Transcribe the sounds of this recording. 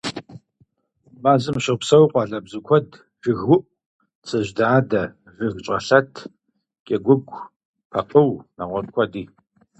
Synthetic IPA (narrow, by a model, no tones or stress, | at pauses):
maːzɨmʃɪʁpsɐwqʷʼɑːɮɐbzɨkʷʰɔd | ʒ̥ɨɣʊʔ | t͡sʰɐʑdaːdɐ | vɨɣt͡ʃʼɐɬɐtʰ | kʲʼɛɡʷʊɡʷʼ | pʰɐpʼəwnaʁʷɔrkʷʰɔdiː